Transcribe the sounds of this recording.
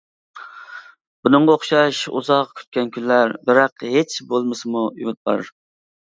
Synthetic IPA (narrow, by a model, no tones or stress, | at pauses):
bunɨŋʁɑoχʃɑʃṵzɑqkʲʰy̥t̪̚kʲɛnkʲʰynlæɾbɪɾɑqɦet͡ʃbolˠmɨsɨmuy̰mɪt̪̚bɑɾɨ̰ɾ